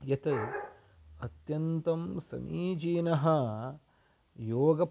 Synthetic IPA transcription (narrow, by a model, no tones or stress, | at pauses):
jɐt̪ɐ | ɐt̪jɐnt̪ɐmsɐ̰mʔiːd͡ʒiːnɐɦɐ | joːɡɐ